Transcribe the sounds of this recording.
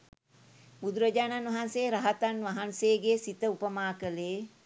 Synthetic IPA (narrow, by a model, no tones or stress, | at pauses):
bud̪uɾəd͡ʒaːnanʋɐɦanseːɾɐɦat̪anʋɐɦanseɡeːsit̪əupəmaːkələː